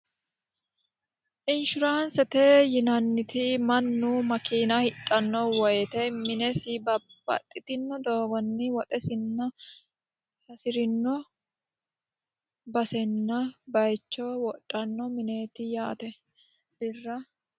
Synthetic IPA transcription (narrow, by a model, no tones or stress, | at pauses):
ʔɪnʃʊɾaːnsɛt̪eːjɪnɐnːɪt̪ɪmɐnːumɐkiːnɐhɪt̪ʼːɐnːɔwɔjɛt̪ɛmɪnɛsɪbɐb̥ɐ̰t̪ʼːɪt̪ɪnːɔd̪oːɡɔnːɪwɔt̪ʼɛsɪnːɐ | hɐsɪɾɪnːɔ | bɐsɛnːɐbɐjt͡ʃːɔwɔtʼːɐnːɔmɪne̞ːt̪ɪjaːt̪ɛ | b̥ɪrːɐ